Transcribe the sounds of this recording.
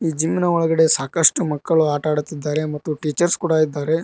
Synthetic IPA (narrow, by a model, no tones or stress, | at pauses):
iːd͡ʒimːinɐɔɭɐɡɐɽe̞saːkɐʂʈumɐkːɐɭuaːʈaːɽut̪ːid̪ːaːɾe̞mɐt̪ːuʈiːt͡ʃɐɾskuːɽɐid̪ːaːɾe̞